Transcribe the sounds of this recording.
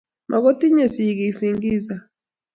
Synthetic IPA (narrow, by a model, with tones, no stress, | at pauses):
mʔa˨ɣɔ˦ti˦ɲe˨si˨ɡi˨si˨ŋɡi˦za˨